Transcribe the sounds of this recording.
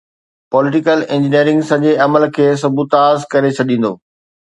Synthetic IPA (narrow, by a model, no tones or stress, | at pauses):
pɔːlɪʈɪkəlɪ̃ɲd͡ʑɪniəɾɪ̃ŋɡsɐ̃d͡ʑeɐməlkʰeːs̬ɐbʱut̪aːzkɐɾet͡ɕʰɐɗĩːn̆d̪o̰ː